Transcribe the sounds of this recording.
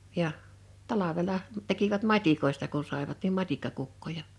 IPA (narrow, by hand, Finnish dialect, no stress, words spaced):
jɑ tɑlɑʋelɑ tekiʋæt mɑtʲikoistɑ ku sɑˑiʋɑt nim mɑtʲikːɑkukːojɑ